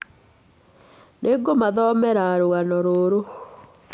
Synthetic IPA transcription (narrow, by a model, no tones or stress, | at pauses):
neɡomaðɔmɛɾaɾoɣanɔɾoɾo